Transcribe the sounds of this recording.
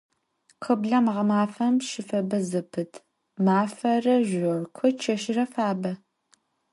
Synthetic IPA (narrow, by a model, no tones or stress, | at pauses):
qʰəbɮɐmʁɐmaːfɐmʃɪfɐbɐzɨpʰɨtʰ | maːfɐrɐʒʷʊrkʷʰɔt͡ʃʰɐʃɪrɐfaːbɐ